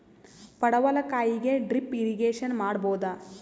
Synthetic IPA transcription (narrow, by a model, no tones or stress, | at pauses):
pɐɽɐʋɐlɐkaːjiɡe̞ɖɾipːiɾiɡeːʃɐnmaːɽboːd̪ɐ